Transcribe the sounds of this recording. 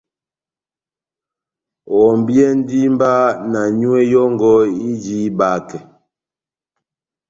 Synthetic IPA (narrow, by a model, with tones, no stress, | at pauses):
ɔ˨m˨bjɛ˦n˦di˦m˦ba˦na˨ɲu˦e˦jɔ˦ŋɡɔ˦i˦d͡ʒi˦ba˦kɛ˨